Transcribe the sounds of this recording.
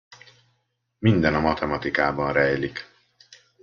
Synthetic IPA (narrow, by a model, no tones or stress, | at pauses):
mind̪ɛnɒmɒt̪ɛmɒt̪ikaːbɒnɾɛjlik